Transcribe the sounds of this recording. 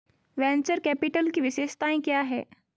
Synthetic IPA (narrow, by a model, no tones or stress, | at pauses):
ʋɛ̃nt͡ɕəɾkæpiʈəlkiːʋiɕeɕt̪aĩkaaɦḛ